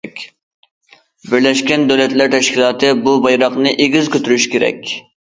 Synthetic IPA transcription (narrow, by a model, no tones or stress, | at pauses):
kʲ | bɪɾlɛʃkʲɛnd̪ɛwlɛt̪læɾt̪ʰɛʃkʲʰilˠɑːt̪ʰɨbubɑjɾɑqnɨʔeɡʲizkʲøt̪ʰyɾyʃkʲʰeɾɛ̰kʲ